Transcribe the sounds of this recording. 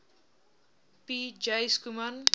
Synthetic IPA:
pid͡ʒajskuman

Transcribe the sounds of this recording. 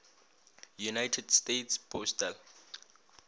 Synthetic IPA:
junajtʰɛdstetspʰɔstəl

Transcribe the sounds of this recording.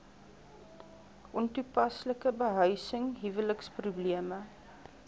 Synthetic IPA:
ʔɔntupɐsləkəbəɦœɥsəŋɦivələksprubliəmə

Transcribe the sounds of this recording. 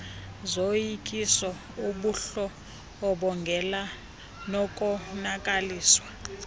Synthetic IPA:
zojikʼisɔ | uɓuɬɔː | ɓɔŋɡʱɛla | nɔkʼɔnakʼaliːswa

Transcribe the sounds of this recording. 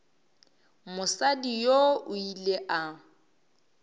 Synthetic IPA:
mʊsadijoʊileʔa

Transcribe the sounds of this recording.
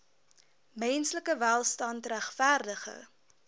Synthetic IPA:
mɛnsləkəvælˠstɐntræχfærdəχə̰

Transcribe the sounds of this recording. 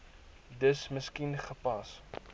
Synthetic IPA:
dəsməskinχəpɐs

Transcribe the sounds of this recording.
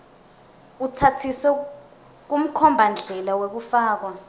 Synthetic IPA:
utʰatʰisɛ | k̬um̩kʰɔmbʱand͡ɮʱɛlawek̬ufaːk̬wa

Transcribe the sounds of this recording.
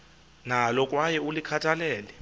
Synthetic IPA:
nalɔkʼwajɛulikʰatʰalɛːlɛ

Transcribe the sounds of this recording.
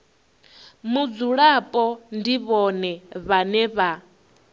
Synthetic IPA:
mud͡zuɺapʼɔndiβɔnɛβanɛβa

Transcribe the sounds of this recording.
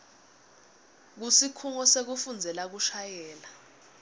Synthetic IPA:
k̬usikʰuŋɔsek̬ufund͡zʱɛlak̬uʃajɛːla

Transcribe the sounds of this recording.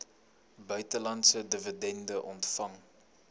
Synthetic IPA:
bœɥtəlɐntsədəvədɛndəʔɔntfɐŋ

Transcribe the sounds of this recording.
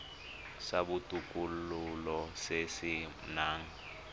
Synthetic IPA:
sabutʼukʼululɔsesɪ | naːŋ̩

